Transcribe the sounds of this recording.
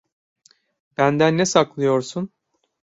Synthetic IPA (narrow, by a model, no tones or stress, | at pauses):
bænd̪ænːesaklˠɯjo̞ɾsun